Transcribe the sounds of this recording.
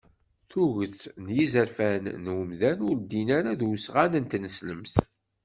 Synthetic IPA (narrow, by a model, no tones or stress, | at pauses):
θuʝət͡sːnjizəɾfænːwəmðænʊɾd̪inaɾaðwsʁanənt̪nəsləmθ